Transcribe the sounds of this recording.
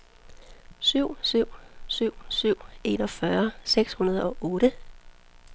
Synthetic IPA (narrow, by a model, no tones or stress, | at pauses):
syʊ̰syʊ̰syʊ̰syʊ̰e̝nɒ̽fɶɐseɡ̥shunɐð̞ˠɒ̽ʔɔːɾə